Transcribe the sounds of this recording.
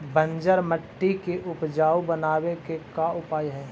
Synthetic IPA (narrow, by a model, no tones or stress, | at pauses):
bə̃ɲd͡ʒəɾməʈːikeʔʊpd͡ʒaːubənaːwekekaʊpaːjɦɛ̃ː